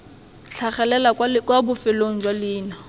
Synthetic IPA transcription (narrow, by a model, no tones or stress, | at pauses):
ɬʰaχɛlɛlakwabʊfɪloŋ̩d͡ʒwalɪːna